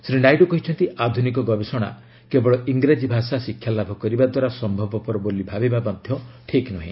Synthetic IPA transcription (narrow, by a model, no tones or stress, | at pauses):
sɾiɖajɖɔkɔɦit͡ʃʰɔnt̪iʔad̪ʱunikɔɡɔbesɔɽ̃a̰ | kebɔɭɔiŋɡɾad͡ʒibʱasasikʰjalabʱɔkɔɾibad̪waɾasɔmbʱɔbɔpɔɾɔbolibʱabibabɔd̪ʱjɔʈʰiknɔɦḭ̃